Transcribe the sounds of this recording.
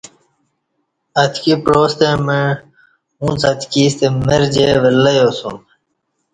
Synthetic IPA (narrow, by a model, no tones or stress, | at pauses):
ɐt̪kipɾoːst̪ẽmẽ | ũːt͡sɐt̪kiːst̪emeɾd͡ʑeːʋelːəjoːsṵm